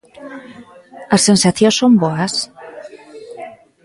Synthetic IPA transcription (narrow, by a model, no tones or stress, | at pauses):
asːẽnsaθjosomboas